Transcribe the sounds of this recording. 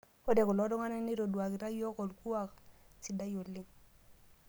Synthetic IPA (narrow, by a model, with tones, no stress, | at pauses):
o˦dɛ˨kʊ˨lɔ˨˦ɾɔ˦ŋa˦nɛ˦ni˦ɾo˨du˨a˨ki˨ɾa˦jɔ˦kɔ˨lku˦a˨ksi˨da˦jo˨lɪ˦ŋ